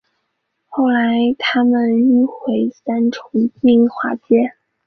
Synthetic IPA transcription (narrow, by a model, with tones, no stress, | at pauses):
xo˥˩ʊla˧˥ɪt̪ʰa˥mə˨ny˥˩xwe˧˥ɪsa˥nʈ͡ʂʰʊ˧˥ŋpi˥˩ŋxwa˧˥t͡ɕjɛ˥